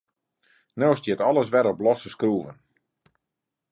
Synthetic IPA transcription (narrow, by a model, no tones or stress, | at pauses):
noːstjɪtɔlˠəs̬ʋɛɾɔpblɔsəskruːvən